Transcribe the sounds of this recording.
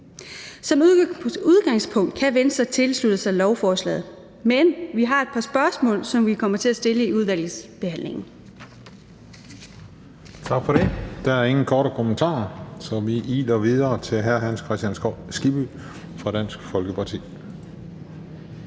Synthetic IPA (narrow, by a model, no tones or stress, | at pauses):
sɒ̽muðˠɡ̥ɑ̈ŋspʰɔ̽ŋ̰d̥̚kʰæʋenəsɐt͡sʰe̝lslud̥əsɑ̈ɪlɒʊfɒːslɛ̰ːð̩ˠ | menʋiɦɑ̈e̝d̥pʰɑ̈sb̥ɶɐsmɔ̰̽ːlsɒ̽mʋikʰɒ̽m̰ɐt͡sʰe̝æsd̥e̝ləiuð̞ˠʋæl̰ð̩ˠsb̥e̝hæn̰le̝ŋn̩ | t͡sʰɑ̈ɡ̥fɒ̽ɾe̝d̥ɑ̈æɐe̝ŋn̩kʰɒːɾəkʰomənt͡sʰɑ̰̈ːsɒʋiʔiːlɐʋið̞ˠɐːt͡sʰe̝lɦæɐɦænskʰʁɛsd̥jænsɡ̥ib̥y | fʁɑ̈d̥æn̰sɡ̥fɒ̽lɡ̥əpʰɑ̈t͡sʰḭː